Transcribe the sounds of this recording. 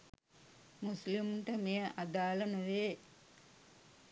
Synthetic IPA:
muslimʈəmejəʔad̪aːlɐnuʋeː

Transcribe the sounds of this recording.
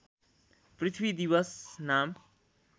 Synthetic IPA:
prit̪ʰwid̪ibʌsnam

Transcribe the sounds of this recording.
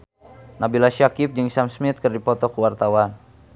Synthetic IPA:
nabilaʃakip̚d͡ʒɨŋsamsmɪt̪̚kərdipɔt̪ɔkuwart̪awan

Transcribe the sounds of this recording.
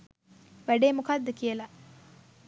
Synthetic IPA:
ʋæɖeːmukad̪ːəkijəla

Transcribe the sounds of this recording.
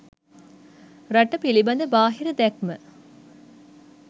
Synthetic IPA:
ɾɐʈɐpilibɐnd̪əbaːɦiɾɐd̪ɛk̚mə

